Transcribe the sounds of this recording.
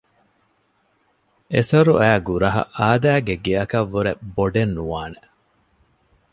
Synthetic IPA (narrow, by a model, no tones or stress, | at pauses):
ʔesɐɾuʔæːɡuɾɐɦɐ̰ʔaːd̪æːɡeɡeɐkɐʋːuɾeboɖenːuʋaːne